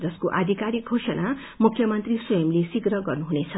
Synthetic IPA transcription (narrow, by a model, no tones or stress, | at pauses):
d͡zʌskoʔad̪ʱikaɾik̚ɡʱosʌna | mukʰːjʌmʌnt̪riswʌjʌmlesiɡɾʌɡʌrnuɦunet͡sʰʌ